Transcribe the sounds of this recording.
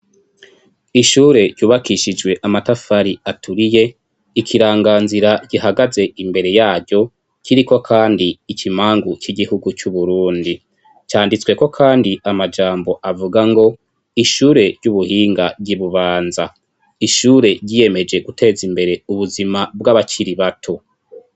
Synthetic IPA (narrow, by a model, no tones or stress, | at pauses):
iʃuːɾe̞ɾɟuːβakiʃid͡ʒɡwe̞ʔamatafaɾiatʰuɾije̞ | ikʰiɾaːŋɡaːnziɾaɟ̥ihaɡaze̞imbe̞ɾe̞jaːvɟo̞ | ciɾiko̞kʰaːndiːkʰimaːŋɡuciɡihuɡut͡ʃuβuɾuːndi | caːndit͡swe̞ko̞kʰaːndiamad͡ʒaːmbo̞ʔavuɡaŋɡo̞ | iʃuːɾe̞ɾɟuβuhiːŋɡabɟiβuβaːnza | iʃuːɾe̞ɾɟije̞me̞d͡ʒe̞ɡutʰe̞ːzimbe̞ɾe̞uβuzimabɡaβat͡ʃiɾiβatʰo